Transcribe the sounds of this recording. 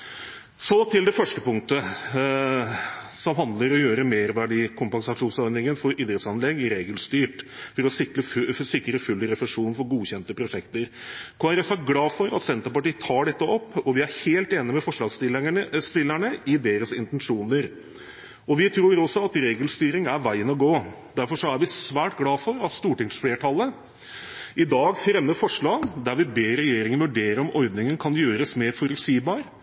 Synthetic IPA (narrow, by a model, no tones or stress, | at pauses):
sɔt̪ʰɪld̪ɛfœʂʈəpʊŋkt̪ə | sɔmɦɑnd̪ləɾɔjøːɾəmeːɾʋɑɖiːkʰʊmpɛnsɑʂuːnsɔɾnɪŋənəfɔɾɪd̪ɾət̪sɑnlɛɡɪɾeːɡəlst̪yːʈfɔɾɔsɪk̪əsɪkɾəfʉlːəɾɛfɛʂuːnfɔɾɡuːçɛnt̪əpʰɾʊʂɛkt̪əɾkʰoːæɾɛfæɾɡlɑːfɔɾɑ̰t̪sɛnt̪əɾpɑʈiːət̪ʰɑːɖɛt̪ːəɔpːɔʋɪæɾheːlt̪eːnɪmɛfɔʂlɑst̪ɪst̪ɪlːæɳəʔɪd̪eːɾəsɪnt̪ɛnʂuːnəɾ | ɔʋɪt̪ʰɾuːɾɔsɔɑt̪ɾeːɡəlst̪yːɾɪŋæɾʋæɪənɔɡoː | d̪æɾfɔʂɔæɾʋɪsʋæːʈɡlɑːfɔɾɑt̪st̪uːʈɪŋsfleːʈʰɑlːə | ʔɪd̪ɑːɡfɾɛmːəɾfɔʂɭɑːɡd̪æɾʋɪbeːɾɛjeːɾɪŋənʋʉɖeːɾəɔmʔɔɾd̪nɪŋənkʰɑnjøːɾəsmeːɾfɔɾʉlsiːbɑːɾ